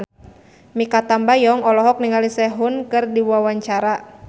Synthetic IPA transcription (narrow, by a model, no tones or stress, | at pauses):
mikat̪ambajɔŋɔlɔɦɔk̚niŋalisɛɦunkɨrdiwuawaɲt͡ʃaɾa